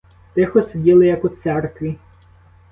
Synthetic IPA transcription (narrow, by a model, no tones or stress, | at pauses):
t̪ɪxɔsʲdʲilˠɪjɐkʊt̪sɛrkʋʲi